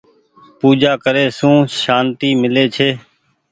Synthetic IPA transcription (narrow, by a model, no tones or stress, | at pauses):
puːd͡ʒaːkəɾeːsũːʃaːnt̪iːmɪleːt͡ʃʰeː